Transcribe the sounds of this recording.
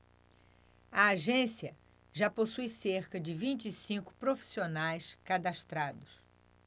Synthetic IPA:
ɐaʒẽsiɐ | ʒaposujseɾkɐd͡ʒɪvĩnt͡ʃisĩŋkʊ̥pɾofi̥sionajskad̪aʃt̪ɾad̪ʊs

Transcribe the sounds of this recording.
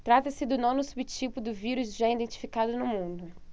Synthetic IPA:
t̪ɾat̪ɐsɪd̪ʊnõnʊsubɪt͡ʃipʊd̪ʊviɾʊzʒaid̪ẽnt͡ʃi̥fikad̪ʊnʊmũnd̪ʊ

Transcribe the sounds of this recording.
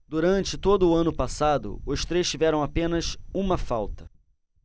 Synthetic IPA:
d̪uɾɐ̃nt͡ʃɪt̪od̪ʊːɐ̃nʊpasad̪ʊ̰ʊst̪ɾejʃt͡ʃivɛɾɐ̃w̃apẽnɐsũmɐfawt̪ɐ̥

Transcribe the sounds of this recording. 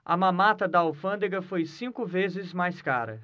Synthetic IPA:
ɐ̰mãmat̪ɐd̪ɐawfɐ̃nd̪eɡɐfojsĩkʊvezɪzmajska̰ɾɐ̰

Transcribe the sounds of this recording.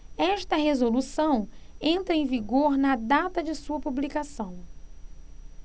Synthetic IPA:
ɛʃt̪ɐɦezolusɐ̃w̃ẽnt̪ɾɐẽj̃viɡoɾnɐd̪at̪ɐd͡ʒɪsuɐpublikasɐ̃w̃

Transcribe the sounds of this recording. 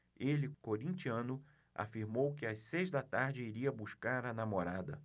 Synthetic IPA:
elɪkoɾĩnt͡ʃiɐ̃nʊ | a̰fiɾmowkɪassejzd̪ɐt̪aɾd͡ʒɪiɾiɐbuskaɾɐnamoɾad̪ɐ̰

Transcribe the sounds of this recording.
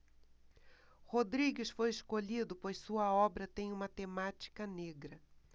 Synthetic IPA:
hod̪ɾiɡɪsfojɪskoʎid̪ʊpojssuɐɔbɾɐt̪ẽj̃ũmɐt̪emat͡ʃi̥kɐneɡɾɐ

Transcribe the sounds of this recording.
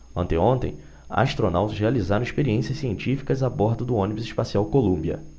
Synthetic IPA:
ɐ̃nt̪ẽõnt̪ḛ̃j̃ | a̰ʃt̪ɾonawt̪ɐzhealizaɾõw̃iʃpeɾiẽsiɐsːiẽnt͡ʃifi̥kɐzabɔɾd̪ʊd̪ʊõnibʊzɪʃpasiawkolũmbiɐ̰

